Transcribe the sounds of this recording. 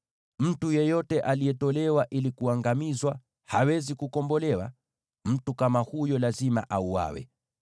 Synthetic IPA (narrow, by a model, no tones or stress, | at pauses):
m̩tujɛjɔtɛʔalijɛtɔlɛwaʔilikuaŋɡamizwa | hawɛzikukɔmbɔlɛwa̰ | m̩tukamahujɔlazima̰ʔauwa̰wɛ̰